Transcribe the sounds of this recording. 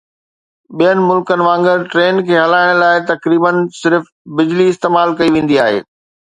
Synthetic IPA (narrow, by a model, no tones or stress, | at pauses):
ɓijənɪ̆mʊlkənɪ̆ʋãːŋɡəɾʈɾeːnkʰeːɦɐlaːɪɽ̃laːɪt̪ɐkɾiːbənsɪɾf | bɪd͡ʑliɪst̪eːmaːlkɐiʋẽːn̆d̪iaːɦḛː